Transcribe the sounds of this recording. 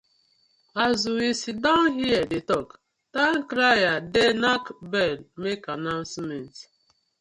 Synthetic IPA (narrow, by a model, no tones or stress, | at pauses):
azwiwisitdãʊnɦiɛdetɔk | tãnkɾajadenakbɛlmekanãʊnsmɛnt